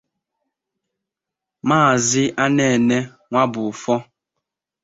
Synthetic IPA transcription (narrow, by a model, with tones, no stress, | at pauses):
maː˦˨zɪ˦ʔa˦ne˨ne˦ | ŋʷa˦bʊ˨fɔ˦